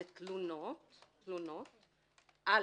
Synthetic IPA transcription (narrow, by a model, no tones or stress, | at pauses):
t̪lunɔt̪ | lunɔt̪ | a